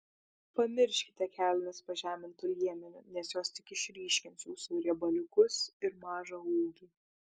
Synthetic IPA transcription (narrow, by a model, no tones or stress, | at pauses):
pɐmʲɪɾʲʃʲkʲɪ̥t̪ʲɛkʲæːlʲnʲɛspɐʒʲæːmʲɪnt̪ʊlʲiɛmʲɛnʲɛnʲɛsjoːst̪ʲɪkɪʃʲɾʲiːʃʲkʲɪnt̪sʲjuːsuɾʲɛbɐlʲʊkʊsɪɾmɑːʒɑuːlˠd̪ʲiː